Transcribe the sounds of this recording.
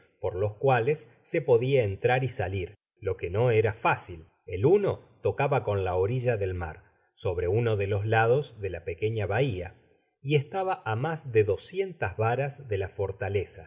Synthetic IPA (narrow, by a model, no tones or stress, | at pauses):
po̞ɾlo̞skwale̞sːe̞po̞ðiaent̪ɾaɾisaliɾ | lo̞ke̞no̞eɾafasil | e̞luno̞t̪o̞kaβako̞nlao̞ɾiʒaðe̞lma̰ɾ | so̞βɾe̞unoðe̞lo̞slað̞o̞zðe̞lape̞ke̞ɲaβaia̰ | ie̞st̪aβaʔamazðe̞ðo̞sje̞nt̪azβaɾazðe̞lafo̞ɾt̪ale̞sa